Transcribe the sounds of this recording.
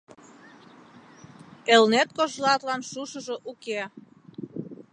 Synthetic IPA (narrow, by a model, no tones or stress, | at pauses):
elnet̪̚koʒlɑt̪lɑnʃuʃəʒoʔuke